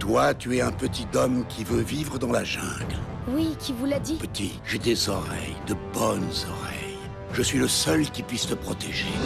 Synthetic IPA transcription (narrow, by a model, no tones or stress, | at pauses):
t̪wat̪yɛɛ̃pət̪it̪ɔmkʲʰivøvivʁəd̪ɑ̃laʒɛ̃ɡl | wikʲivulad̪ipət̪i | ʒed̪ezɔʁɛ̰jd̪əbɔnzɔʁɛ̰j | ʒəsɥiləsœlkʲipɥist̪əpχɔt̪ɛʒe